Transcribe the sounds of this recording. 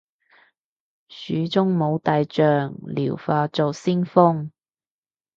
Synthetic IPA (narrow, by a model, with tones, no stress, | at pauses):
syː˨˧˥t͡sʊ˥ŋmo˨˧wt̪aː˨˧jt͡ʃœː˨ŋlḭː˨˩wfaː˧t͡so˨wsiː˥nfʊ˥ŋ